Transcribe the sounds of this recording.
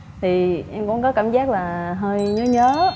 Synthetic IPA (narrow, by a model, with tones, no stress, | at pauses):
t̪ʰi˨˩ʔɛ˧mkʊ̰˧˩ŋ͡mkɔ˨˦kaː˧˩mzaː˦˥k̚laː˨˩ɦəː˧jɲəː˨˦ɲəː˨˦